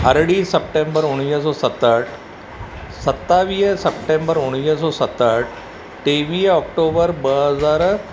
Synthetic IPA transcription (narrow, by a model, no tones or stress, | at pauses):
ɐɾɽiːsɐp̚ʈẽːmbəɾʊɽ̃iːɦsɔːsɐt̪əʈ | sɐt̪ːaːʋiːɦsɐpʈẽːmbəɾʊɽ̃iːs̬ɔːsɐt̪aʈʰ | ʈeːʋiːɦɔːkʈoːbəɾbɐɦəzaːɾ